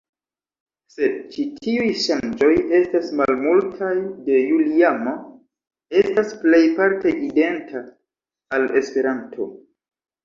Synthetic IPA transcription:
se̞d̚t͡ʃitʰiujʃand͡ʒo̞je̞stasmalmultʰajde̞juliamo | e̞stasple̞jpaɾte̞ʔide̞ntʰaː | le̞spe̞ɾantʰo̞̰

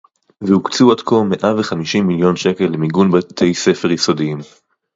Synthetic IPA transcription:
vehukt͡suadkome̞ʔaveχamiʃimːiljo̞nʃe̞ke̞lːemiɡunbat̪ʰe̞jse̞feʁjiso̞diim

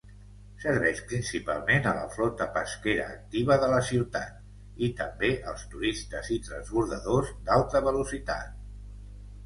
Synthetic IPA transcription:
səɾβɛʃpɾinsipa̰lˠmenələ̰flɔt̪əpəskeɾə̰ːk̚t̪iβəðələsiwt̪a̰t̪̚ | it̪əmbeʔəlˠst̪uɾist̪əzit̪ɾə̰nzβuɾðəðozd̪alˠt̪əβəlusit̪a̰t̪̚

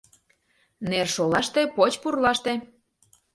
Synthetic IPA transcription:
nerʃolɑʃt̪epot͡ɕpurlɑʃt̪ĕ

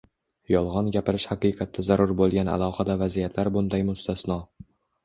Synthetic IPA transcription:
jɒlˠʁɒnɡʲapɪɾɪʃhaqɨjqʰɑt̪ʰːazaɾʊɾbolˠɡʲana̰lˠɒqad̪avazijat̪ʰlaɾbʊnd̪ajmʊst̪ʰasnɒ

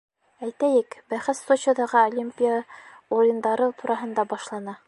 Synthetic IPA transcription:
æjt̪æjɘkbæχɘt̪sot͡ɕŏd̪ɑʁɤolʲimʲpʲijə | uɾʲɪ̆nd̪ɑɾɤt̪uɾʔɑɦɤ̆nd̪ɑbɒʃlˠɑnɑ

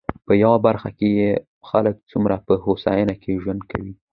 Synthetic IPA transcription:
pəjawabaɾxa̰keje | xalək̚t͡sumɾapəhosa̰janakeʒwand̪̚kʰawi

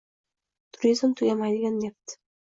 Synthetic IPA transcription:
t̪ʰʊɾʲizmt̪ʰʊjʲamajd̪ɪɡʲanːep̚t̪ɪ̥

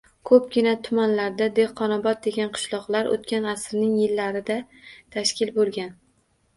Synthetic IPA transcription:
kʰɵp̚ɡʲɪnat̪ʰʊmanlaɾd̪ad̪eqʰːɒnɒbɒt̪̚d̪e̞ɡʲanqʰɨ̥ʃlˠɒqlˠaɾo̰t̪̚kʲanasɾnɪŋjɪlːaɾɪd̪a | t̪ʰaʃkʲɪlbolˠɡʲan

